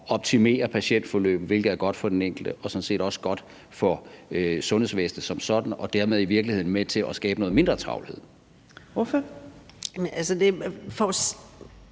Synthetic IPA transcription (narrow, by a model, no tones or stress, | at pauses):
ɒ̽b̥̚t͡sʰime̝̰ːɐpʰæɕen̰d̥fɒlø̰ːb̥ð̩ʋe̝lɡ̥ð̩ˠæɐɡ̥ɒ̽d̥fɒ̽d̥eneŋ̰ɡ̥l̩d̥əʔɒ̽sɒ̽n̩se̝̰ːd̥ɒ̽sə̥ɡ̥ɒ̽d̥ | fɒsɔ̽nhesʋesn̥əsɒ̽msɒ̽d̥n̩ɒ̽d̥æɐmeð̞ˠiʋiɐɡ̥lihe̝ð̰ˠn̩met͡sʰe̝lʔɒsɡ̥ɛːb̥ənɔ̽ːð̩ˠme̝nd̥ʁɐt͡sʰʁɑ̈ʊlhe̝ð̰ˠ | ʋɔfɒ | nælsəd̥e̝fɒs